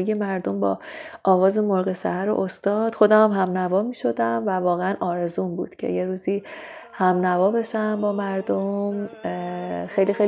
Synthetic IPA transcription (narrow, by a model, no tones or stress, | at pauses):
je̞mæɾd̪o̞mbɒ̰ːʔɒːɣɒːze̞moɾɣe̞sæ̰hæɾo̰ʔost̪ɒːd̪̥xo̞d̪æmæmɦæmnævɒːmiːʃo̞d̪æmvævɒːɣeænʔɒːɾe̞zuːnbṵːd̪̥cʰe̞̰je̞ɾuːziː | hæmnævɒːbe̞ʃæmbɒːmæɾd̪o̞m | xejlixej